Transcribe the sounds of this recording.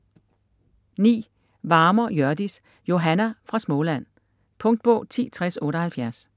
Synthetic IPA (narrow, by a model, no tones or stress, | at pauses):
nḭː | ʋɑ̈ːmɐjɶɐd̥is | jo̝ɦænæfʁɑ̈smɔlæn̰ | pʰɔ̽ŋd̥̚b̥ɔ̰̽ʊ̰t͡sʰḭːt͡sʰʁasɔ̽ːɾəhælfjæɐs